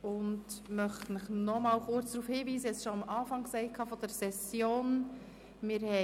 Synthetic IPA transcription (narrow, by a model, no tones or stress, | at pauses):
ʊndmœχtənɪχnɔmɑːlχʊɾt͡sd̥ɾuːfhiːʋiːsəɛt͡sʃoɑmʔɑːfɑŋksɛɪkʰɑːfɔd̥əɾsɛsjoːn | mɪːɾhɛ